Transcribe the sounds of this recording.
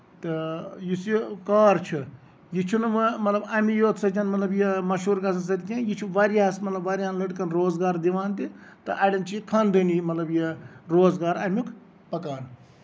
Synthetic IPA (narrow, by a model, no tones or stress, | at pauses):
t̪ɨjiskaːɾt͡ʃʰɨ | jit͡ʃʰunɨmɨmɐt̪lɐbɐmijoːt̪sɐt͡ʃɐnmɐt̪lɐbjimɐʃuːɾkɐs̬ɐns̬ɐt̪ʲkʲãjit͡ʃʰuʋaɾiaːsmɐt̪lɐbʋaːɾʲaːnlɐʈkɐnɾoːzɡaːɾd̪iʋaːnt̪it̪ɨ̰ʔɐɽʲɐnt͡ʃʰikʰɐnd̪ɨnimɐt̪lɐbjiɾoːzɡaːɾɐmʲukʰ | pɐkaːn